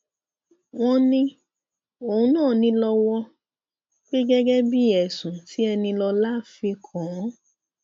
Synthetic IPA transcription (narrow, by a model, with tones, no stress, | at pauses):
w̃ɔ̃˧nĩ˧ | o˨ũ˧˦nãː˦˨nĩ˧lɔ˧wɔ˧ | k͡pe˦ɡɛ˦ɡɛ˦bi˦˨ɛ˨sũ˨ti˦ɛ˧nĩ˧lɔ˧la˦fi˧kʰɔ̃˨˦